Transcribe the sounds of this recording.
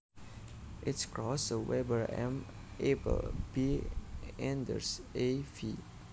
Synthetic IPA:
ʔɪtskɹɔsəwɛbəɹɛ̰̃m | ʔepə̰lbi | ɛ̃ndə̰sefi

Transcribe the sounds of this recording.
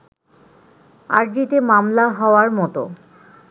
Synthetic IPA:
a̰ɾd͡ʑit̪emamlaɦɔoaɾmɔt̪o̰

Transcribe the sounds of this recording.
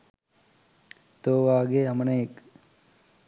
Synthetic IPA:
t̪oːʋaːɡeɐmɐneːk

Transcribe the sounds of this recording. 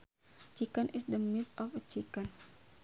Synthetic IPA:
t͡ʃikənʔɪsdəmit̪ɔfət͡ʃikən

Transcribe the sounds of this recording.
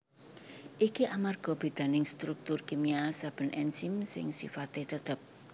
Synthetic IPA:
ʔikiʔamarɡ̥ɔ̤b̥e̤d̪̥a̤nɪŋst̪ɾuk̚t̪ʊrkemiasab̥ə̤nʔɛnsimsɪ̰ŋsḭfat̪et̪ət̪əp̚

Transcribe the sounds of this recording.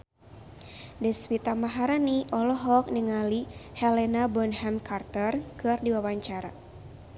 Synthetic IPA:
dɛswit̪amaɦaɾaniʔɔlɔɦɔk̚niŋalihɛlɛnabɔnhɛmkʰart̪ərkɨrdiwawaɲt͡ʃaɾa

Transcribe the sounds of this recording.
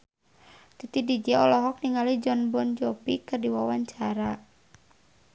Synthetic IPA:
t̪it̪idid͡ʒaɔlɔɦɔk̚niŋalid͡ʒɔnbɔnd͡ʒɔpikɨrdiwawaɲt͡ʃaɾa

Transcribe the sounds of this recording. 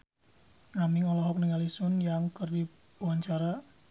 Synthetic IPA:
ŋamiŋɔlɔɦɔk̚niŋalisʊnjaŋkərdi | waɲt͡ʃaɾa

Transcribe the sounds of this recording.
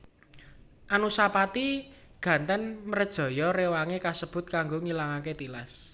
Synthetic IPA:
ʔanusapat̪i | ɡ̥ä̤nt̪ənməɾəd̥ʒ̥ɔ̤jɔɾewaŋekasəb̥ʊ̤t̪̚kaŋɡoŋilaŋaket̪ila̰s

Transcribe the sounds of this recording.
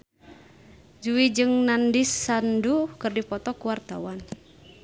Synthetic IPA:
d͡ʒuwid͡ʒɨŋnandisːandukɨrdipɔt̪ɔkuwart̪a̰wan

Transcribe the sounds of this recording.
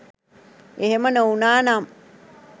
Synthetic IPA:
eɦemənəunaːnam

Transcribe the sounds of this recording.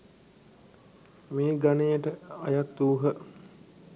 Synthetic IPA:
meːɡanejəʈəajat̪ːuːɦə

